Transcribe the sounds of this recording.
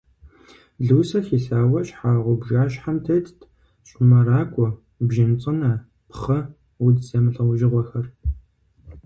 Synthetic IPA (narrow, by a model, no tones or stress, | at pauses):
ɮuːsɐxiːɬaːwɐɕħaːʁʷʊbʒaːɕħamtʰɐttʰ | ɕʷʼʊmɐɾaːkʷʼɔ | bʒɪnt͡sʼɨnɐ | pχɐ | wudsɐmɨɬʼɐwʒɪʁʷɔxɐr